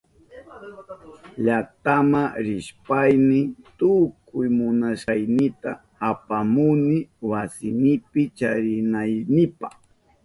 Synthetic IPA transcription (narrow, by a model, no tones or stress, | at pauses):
ʎakt̪amaɾɪʃpajnɪt̪ʊkʊjmʊnaʃajnɪt̪aː | pamʊnɪwasɪnɪpɪt͡ʃaɾɪnajnɪpaχ